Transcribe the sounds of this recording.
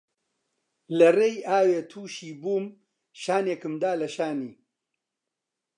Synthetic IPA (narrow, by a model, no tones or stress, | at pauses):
lɐrejaːweːt̪ʰuːʃiːbuːm | ʃaːneːkɨmd̪aːlɐʃaːniː